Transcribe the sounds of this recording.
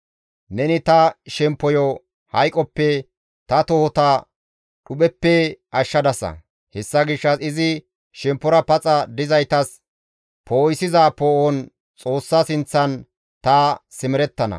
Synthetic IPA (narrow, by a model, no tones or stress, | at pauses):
nɛnɪt̪ɐʃɛmpːɔjɔ | hɐjkʼɔpːɛ | t̪ɐt̪ɔhɔt̪ɐ | ᶑʊɓɛpːɛʔɐʃːɐd̪ɐsɐ̰ | hɛsːɐɡɪʃːɐsɪzɪ | ʃɛmpːɔɾɐpɐt͡sʼɐd̪ɪzɐjt̪ɐs | pʰoːɪsɪzapoːʔɔn | t͡sʼo̞ːsːɐsɪnt͡sːɐn | t̪ɐsɪmɪɾɛt̪ːɐnɐ̰